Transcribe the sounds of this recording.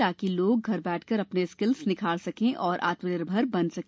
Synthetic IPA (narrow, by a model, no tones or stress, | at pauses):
aːkiloːɡ̚ɡʱɐɾbɛːʈʰkɐɾɐpneskɪlsnɪkʰaːɭsɐkẽʔɔːɾʔa̰ːt̪mənɪɾbʱɐɾbɐnsɐk